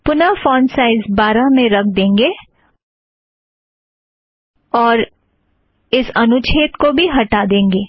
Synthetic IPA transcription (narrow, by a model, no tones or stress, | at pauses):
pʊnafɔ̃ːnsaɪzbaːɾamẽɾɐk̚ʰd̪ẽːŋɡeː | ɔːɾ | ɪsɐnʊt͡ʃʰeːt̪kobʱiɦɐʈaːd̪ẽːŋɡeː